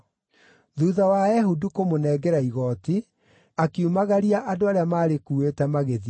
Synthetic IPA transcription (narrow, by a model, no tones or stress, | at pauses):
ðuːðawaɛɦudukomonɛːɡɛɾaiɣɔti | akiumaɣaɾiaʔadoaɾeamaːɾekuːetɛmaɣeð